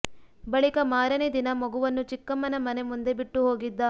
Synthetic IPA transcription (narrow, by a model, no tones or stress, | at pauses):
bɐɭikɐmaːɾɐned̪inɐmɐɡuʋɐnːut͡ʃikːɐmːɐnɐmɐnemund̪ebiʈːuɦo̞ːɡid̪ːɐ